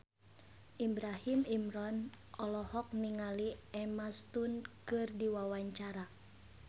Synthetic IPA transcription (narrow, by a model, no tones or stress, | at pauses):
ʔibɾahimimɾɔn | ʔɔlɔhɔk̚niŋaliɛmast̪unkɨrdiwawaɲt͡ʃaɾa